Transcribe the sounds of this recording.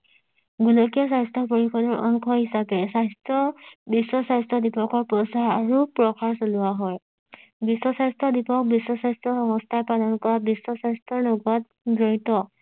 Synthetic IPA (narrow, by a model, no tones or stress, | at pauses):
ɡulɔkiɔs̬ajstʰɔpoɹikʰɔdɔɹʔɔ̰ŋkʰɔɦisapɛsastɔbisɔsajstɹɔdipɔkɔɹpɹɔsaaɹupɹɔkʰaɹsolʊwaɦɔj | bisːɔsajstɹɔdipɔk̚bisːɔsajstɹɔxɔŋɔstʰajpalɔnkɔɹabisːɔsajstʰɹɔɹnɔɡat̚ | dɹɔɹitɔ